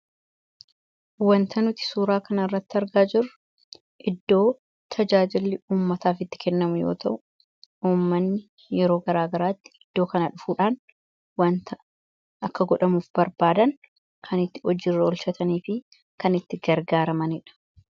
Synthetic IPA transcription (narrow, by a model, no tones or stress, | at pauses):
wɐnt̪ʰɐnʊt̪ɪ̥suːɾaːkɐnɐɪrːɐt̪ːɪɐɾɡaːd͡ʒɪrːʊ | ʔɪd̪ːo̞ː | t̪ʰɐd͡ʒaːd͡ʒɪlːɪuːmːɐt̪aːfɪt̪ːɪ̥kɛnːɐmʊjoːt̪ɐʔʊ | uːmːɐnːɪ | jɛɾo̞ːɡɐɾaːɡɐɾaːt̪ːɪ̥ɪd̪̥ːo̞ːkɐnɐᶑʊfuːᶑaːn | wɐnt̪ɐ | ʔɐkːɐɡɔᶑɐmuːfbɐɾbaːd̪ɐŋ | kʰɐnɪt̪ːɪ̥ɔd͡ʒːɪrːɐɔlʃɐt̪ʰɐniːfɪ | kɐnɪt̪ːɪɡɐɾɡaːɾɐmɐnɪᶑɐ̥